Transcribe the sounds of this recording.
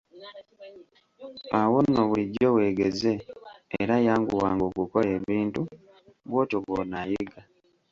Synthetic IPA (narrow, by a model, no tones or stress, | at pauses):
awonoβwiɟowe̞ːɡe̞ze̞ːɾajaːŋɡṵwaːŋɡo̞ːkukole̞βiːntu | βwoːtoβonajiɡa